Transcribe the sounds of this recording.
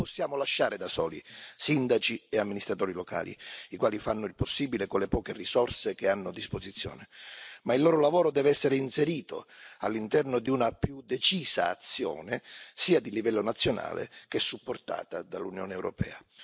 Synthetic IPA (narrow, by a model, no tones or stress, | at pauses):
posːjaːmolaʃːaːɾɪd̪asɔːlḭsind̪at͡ʃieamːinist̪ɾat̪ɔːɾiloka̰ːlḭikwaːlifanːʊilposːiːbilekolepɔːkerisɔrsek̟eanːʊad̪ːispozit̪sːjɔ̰ːnemailːɔːɾolavɔːɾod̪ɛːveɛsːeɾɪinseɾiːt̪o̰a̰lːint̪ɛrnod̪iunapjud̪et͡ʃiːza̰ːt̪sːjɔ̰ːnɪsiːad̪ilivɛlːonat̪sːjona̰ːlḛk̟ɛsːupːort̪a̰ːt̪ad̪alunjɔ̰ːneɛwɾo̰pɛ̰ːa